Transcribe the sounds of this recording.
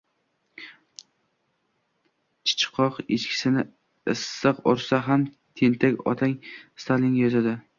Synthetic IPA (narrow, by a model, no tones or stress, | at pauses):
t͡ʃʰɪ̥t͡ʃʰɪ̥qʰːɒqet͡ʃkʲʰɪ̥sɪnɪ | ɪsːɨqɒɾsaɦam | t̪ʰent̪ʰakʲɒ̰t̪ʰaŋst̪ʰalɪŋjɒzad̪ɪ